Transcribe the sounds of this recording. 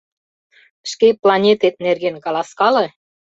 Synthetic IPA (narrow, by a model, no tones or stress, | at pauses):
ʃkeplɑnʲet̪et̪̚nerɣenkɑlˠɑskɑlĕ